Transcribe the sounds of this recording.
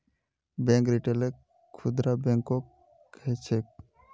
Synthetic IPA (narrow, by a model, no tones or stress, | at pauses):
bɛ̃ŋkɾiʈele | kʰud̪ɾabẽŋkːɔkʰ | ɛt͡ʃʰek̚